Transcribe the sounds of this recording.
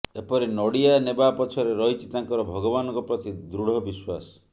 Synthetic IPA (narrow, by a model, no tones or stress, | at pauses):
epɔɾinɔɽianebapɔt͡ʃʰɔɾeɾɔɦit͡ʃʰit̪aŋkɔɾɔbʱɔɡɔbanɔ̃ŋkɔpɾɔt̪id̪ɾuɽ̤ɔbiswasɔ̥